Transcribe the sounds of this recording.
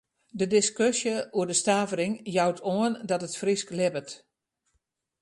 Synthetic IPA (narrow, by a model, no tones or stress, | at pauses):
dədɪskøsjəuədəstaːvəɾɪŋjawtʰoəndɔtətfrisklɪbət